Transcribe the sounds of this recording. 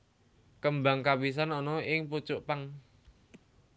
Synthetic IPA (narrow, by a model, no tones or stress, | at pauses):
kəmbaŋkabis̬anɔnɔɪŋput͡ʃʊʔpaŋ